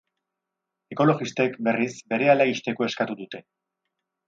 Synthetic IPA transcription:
e̞ko̞lo̞ɣist̪e̞kbe̞risbe̞ɾe̞alaist̪e̞ko̞eskat̪uðut̪e̞

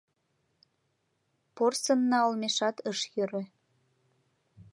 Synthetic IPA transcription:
porsənːɑolmeʃɑt̪əʃjøɾĕ

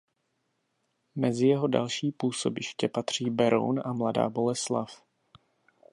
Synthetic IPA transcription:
mɛzɪjɛɦo̞da̰lʃiːpuːso̞bɪʃcɛpat̪r̝̥iːbɛɾo̰wnamlada̰ːbo̞lɛslaf

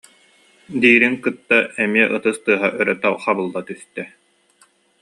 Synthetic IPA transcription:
d̪iːɾiŋkɯt̪ːaɛmiɛʔɯt̪ɯst̪ɯɐɦaʔœɾœt̪aχabɯlˠːat̪yst̪ɛ

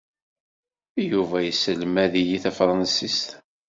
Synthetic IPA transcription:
juvæjəsəlmæðijiθæfɾˤɑnsist̪

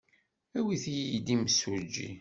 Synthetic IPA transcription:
æwiθijid̪iməsʊɾd͡ʒːḭ

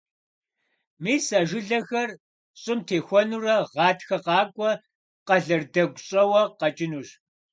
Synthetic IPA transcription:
miːsɐʒɪɮɐxɐr | ɕʼɪmtʰeːxʷɔnurɐʁɑːtʰxɐqɑːkʷʼɔ | qɐɮɐrdɐɡʷɕʼɐwɐqɐt͡ʃʼɪnuːɕ

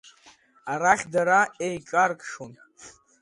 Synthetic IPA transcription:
aɾaχʲdaɾaejkʼarkʼʂon

